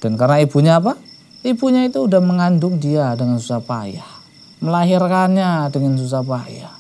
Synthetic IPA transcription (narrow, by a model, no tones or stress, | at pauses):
d̥ankarnaibuɲaːpa | ibuɲait̪uːdahməŋandʊŋdiadəŋansusapa̰ja̰h | məlaɦirkanɲadəŋans̬us̬apaja̰h